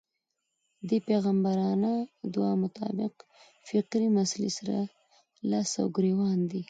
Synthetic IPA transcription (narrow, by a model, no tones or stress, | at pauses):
d̪əpeɣambaɾɑnad̪uɑmʊt̪ɑ̰bɪq | fɪqɾinaslḭsaɾa̰ | lasa̰wɡɾewɑnd̪i